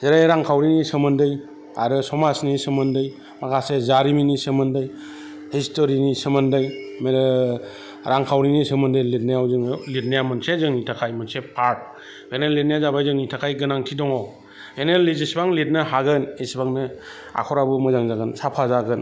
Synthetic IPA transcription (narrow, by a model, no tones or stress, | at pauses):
zeɾajɾaŋkʰawɾinisɯmɯndɯj | a̰ɾɯsɔmasnisɯmɯndɯj | makʰasezaɾiminisɯmɯndɯj | histoɾinisɯmɯndɯjme | ɾaŋkʰawɾinisɯmɯndɯjlit̚najawzɯŋlit̚nijamɯnsezɯŋnitʰakʰajmɯnsepʰaɾt̚ | benelːit̚nijazabajzɯŋnitʰakʰajɡɯnaŋtʰidɔŋɔ | benelːizisbaŋlit̚nɯɦaɡɯnisbaŋnɯ | a̰kʰɔɾabumɯzaŋzaɡɯnsapʰazaɡɯn